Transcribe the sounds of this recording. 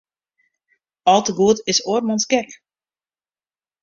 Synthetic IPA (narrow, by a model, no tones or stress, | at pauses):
ɔlˠtəɡuətɪsoərmɔnsɡɛk